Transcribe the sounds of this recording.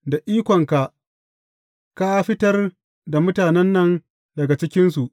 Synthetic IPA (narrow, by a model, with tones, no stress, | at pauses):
da˨ʔiː˦kʷɔ˨ŋka˨ʔ | ka˦ɸɪ˦tɐ˦r | da˨mʊ˦taː˨nɛ˦nːɐ˦n | dɐ˨ɡa˨t͡ʃɪ˦kʲɪ˦nsu˨ʔ